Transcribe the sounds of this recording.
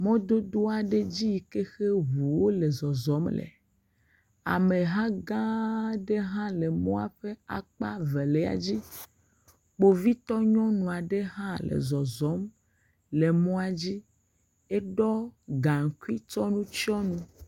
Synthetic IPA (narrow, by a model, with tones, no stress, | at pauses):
mɔ̃˦d̪o˦d̪o˦a˨ɖe˦d͡ʑi˦jke˦xe˦ɦu˨wo˦le˨zɔ˨zɔ˨˦mlɛ̰˨ | a̰˨me˨ɦã˦ɡã˦ɖe˦ɦã˦le˨mɔ̰̃˦a̰˨ɸe˦a̰˨k͡pa̰˦ve˨lɛ˦a̰˨d͡ʑi˦ | k͡po˦vi˦t̪ɔ˦ɲɔ̃˦nũ˨a˨ɖe˦ɦã˦lḛ˨zɔ˨zɔ˨˦m | le˨mɔ̃˦a˨d͡ʑi˦ | ɛ˦ɖɔ˦ɡã˨ŋ˨ku˦i˦t͡ʃɔ˦nũ˦t͡ʃi˦ɔ˦nũ˦